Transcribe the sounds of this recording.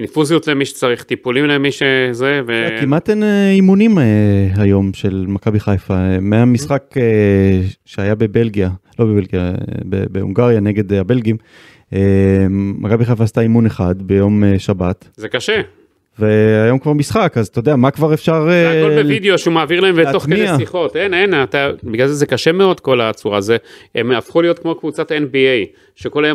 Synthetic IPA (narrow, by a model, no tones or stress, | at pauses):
nifuzijot̪lemiʃe̥t͡saʁiχt̪ipulimlemiʃezevekimat̪eneimunimɦajo̞mʃe̞lmakabiχajfaemehamisχake | ʃeajabe̞be̞lɡialo̞bebelɡijabḛbeṵŋɡaʁjane̞ɡe̞d̪habe̞lɡim | emʔakabiχafast̪aimuneχad̪be̞jo̞meʃabatzekaʃe | veajomkvaʁmisχakazt̪od̪eamakvaʁefʃaʁekolbevid̪eoʃeumaːviʁlaemvetokmeieaiχo̞tenenat̪abiɡlalzezekaʃemeo̞d̪ko̞lat͡suʁazeemafχulijo̞t̪kmo̞kvut͡sat̪enbiej | ʃeko̞lajo